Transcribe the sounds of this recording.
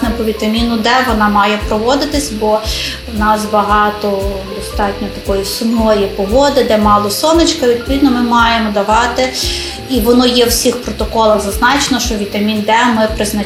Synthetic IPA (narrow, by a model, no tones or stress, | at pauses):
nɛpɔʋʲit̪ɐmʲinʊd̪ɛʋɔnɑmɑjɛpɾɔʋɔd̪ɪt̪ɪsʲbɔ | wnɑsbɐɦɑt̪ɔ | d̪ɔst̪ɑtʲnʲɔt̪ɐkɔjisʊmnɔjipɔɦɔd̪ɪd̪ɛmɑlˠɔsɔmɪt͡ʃkɐʋʲid̪̚pɔʋʲid̪nɔmɪmɑjemɔd̪ɐʋɑt̪ɪ | iʋɔnɔjɛwsʲixpɾɔt̪ɔkɔlˠɐɣzɐznɑt͡ʃenɔʃt͡ʃɔʋʲit̪ɐmʲind̪ɛmɪpɾɪznɐ